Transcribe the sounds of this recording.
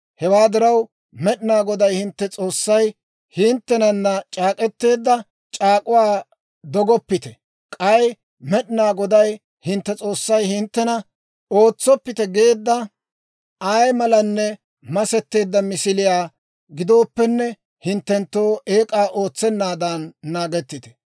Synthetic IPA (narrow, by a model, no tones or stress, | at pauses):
hɛwaːd̪ɪɾɐw | mɛɗɪnaːɡɔd̪ɐjhɪnt̪ːɛt͡sʼo̞ːsːɐj | hɪnt̪ːɛnɐnːɐt͡ʃʼaːkʼɛt̪ːe̞ːd̪ːɐ | t͡ʃʼaːkʼʊwaː | d̪ɔɡɔpːɪt̪ɛ | kʼɐj | mɛɗɪnaːɡɔd̪ɐj | hɪnt̪ːɛt͡sʼo̞ːsːɐjhɪnt̪ːɛnɐ | oːt͡sːɔpːɪt̪ɛɡe̞ːd̪ːɐ | ɐjmɐlɐnːɛ | mɐsɛt̪ːe̞ːd̪ːɐmɪsɪlɪjaː | ɡɪd̪o̞ːpːɛnːɛ | hɪnt̪ːɛnt̪ːo̞ːeːkʼaːʔo̞ːt͡sːɛnːaːd̪anːaːɡɛt̪ːɪt̪ɛ̥